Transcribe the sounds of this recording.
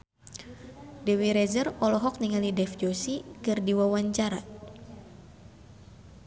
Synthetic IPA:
dɛwiɾɛzərɔlɔɦɔk̚niŋalidɛfd͡ʒosikɨrdiwawaɲt͡ʃaɾa

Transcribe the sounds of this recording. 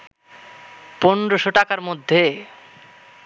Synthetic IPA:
ponɾoʃoʈakaɾmod̪ʱːe

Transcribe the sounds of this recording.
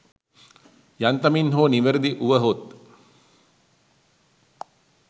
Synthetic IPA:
jant̪ɐminɦoːniʋəɾəd̪iʔuʋəɦot̪

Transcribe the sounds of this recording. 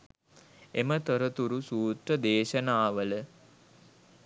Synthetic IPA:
emət̪oɾət̪uɾusuːt̪rəd̪eːʃənaːʋələ

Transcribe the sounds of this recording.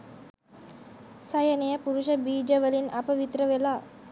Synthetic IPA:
sɐjənejəpuɾuʃəbiːd͡ʒəʋəlinɐpəʋit̪ɾəʋelaː

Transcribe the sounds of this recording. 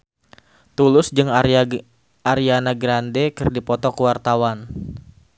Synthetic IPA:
t̪ulʊsd͡ʒɨŋ | aɾianaɡɾandekɨrdipɔt̪ɔkəwart̪awan

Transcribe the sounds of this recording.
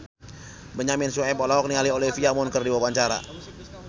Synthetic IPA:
bəɲamɪnsuɛpɔlaɔk̚nialiolifiamɔnkərdiwawaɲt͡ʃaɾa̰

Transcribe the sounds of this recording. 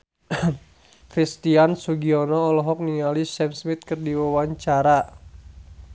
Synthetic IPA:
kɾist̪iansuɡiɔnɔːlɔɦɔk̚niŋalisɛmsmit̪̚kɨrdiwawaɲt͡ʃaɾa

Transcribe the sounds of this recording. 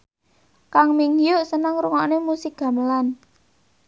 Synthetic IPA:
kaŋmiŋjʊʔsənəŋɾuŋanemusɪk̚ɡ̥ä̤məlan

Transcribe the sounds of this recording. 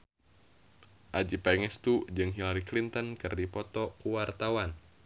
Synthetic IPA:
ʔad͡ʒipaŋɛst̪ud͡ʒɨŋɦilaɾiklint̪ɔnkɨrdipɔt̪ɔkuwart̪awan

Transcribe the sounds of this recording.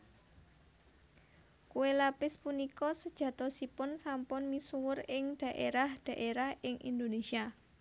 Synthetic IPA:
kuwelapɪspunikɔsəd̥ʒ̥ä̤t̪ɔsipʊnsampʊnmisuwʊrɪŋd̪̥ä̤ʔeɾahd̪̥ä̤ʔeɾahʔɪŋʔḭnd̪onesia

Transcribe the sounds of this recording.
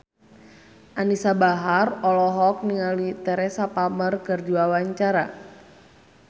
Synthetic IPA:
ʔanisabaɦarɔlɔɦɔk̚niŋalit̪ɛɾɛsapamərkərduawaɲt͡ʃaɾa

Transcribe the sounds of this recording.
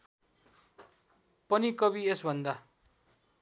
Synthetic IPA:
pʌnikʌbiesbʱʌnd̪a

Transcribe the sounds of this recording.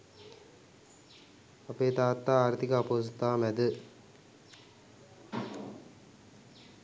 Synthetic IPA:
ɐpeːt̪aːt̪ːaːaːɾt̪ikaːpoːs̬ut̪ːaːmɛd̪ɨ

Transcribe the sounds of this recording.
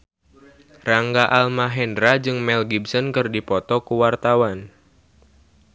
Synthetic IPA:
raŋɡaʔalmaɦɛndɾad͡ʒɨŋmɛlɡibsɔnkɨrdipɔt̪ɔkuwart̪awan

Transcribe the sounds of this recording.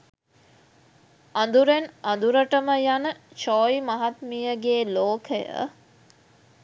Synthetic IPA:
and̪uɾenand̪uɾəʈəməjanət͡ʃɔːjmɐɦat̪mijəɡeːloːkʰəjə̰

